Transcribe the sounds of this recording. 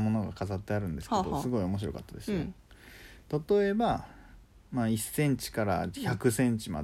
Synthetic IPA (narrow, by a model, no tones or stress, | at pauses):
mo̞no̞ɡakazat̪ːe̞aɾɯ̟̃nd̪e̞sɨ̥ked̪osɨɡo̞io̞mo̞ɕ̬iɾo̞̰ka̰t̪ːad̪e̞sɨjo | t̪at̪o̞e̞ba | maisːẽ̞ɲt͡ɕi̥kaɾaçakɯ̟sẽ̞ɲt͡ɕima̰